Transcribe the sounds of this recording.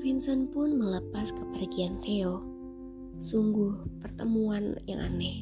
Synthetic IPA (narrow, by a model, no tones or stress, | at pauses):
finsənpʊnmələpaskəpərɡiant̪eɔ | suŋɡʊhpərt̪əmuanja̰ŋʔa̰nɛh